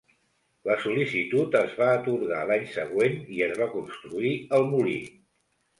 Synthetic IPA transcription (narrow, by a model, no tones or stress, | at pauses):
ləsulisit̪ut̪əzβaːt̪uɾɣa̰laɲsəɣweniəzβakunst̪ɾuiəlˠmulḭ